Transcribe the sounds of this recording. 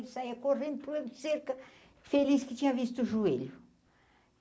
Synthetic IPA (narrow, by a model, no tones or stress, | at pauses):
lsaɛkorẽnt̪̚plend̪seɾkɐ | feliskit͡ʃ̪iavist̪uʒuelʲu